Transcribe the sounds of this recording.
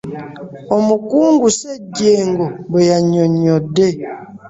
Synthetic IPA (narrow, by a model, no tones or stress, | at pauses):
ɔmukuŋɡusɛdjeŋɡɔbəjaɲɔɲɔde